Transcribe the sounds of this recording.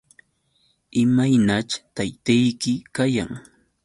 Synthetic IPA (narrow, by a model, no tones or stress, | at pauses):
ɪmajnat͡ʃt̪ajt̪ajkɪkaja̰ŋ